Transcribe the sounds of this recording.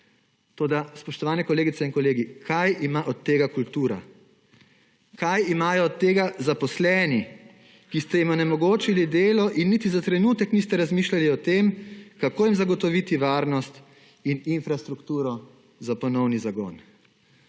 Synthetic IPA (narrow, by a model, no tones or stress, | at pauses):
t̪oːd̪aspɔʃt̪ɔʋaːnɛkɔleːɡit̪sɛinkɔleːɡikʰajimaʔɔt̪tːeːɡakult̪uːɾa̰ | kajimaːjɔɔt̪ːeːɡazapɔslɛni | kist̪ɛjimɔnɛmɔɡoːt͡ʃilid̪eːlɔʔinːit̪izat̪ɾɛnuːt̪ɛknist̪ɛɾazmiːʃlaliɔt̪emkakoːjimzaɡɔt̪ɔʋit̪iʋaːɾnɔst̪ | ininfɾast̪ɾukt̪uːɾɔ | zapɔnɔwnizaɡɔ̰ːn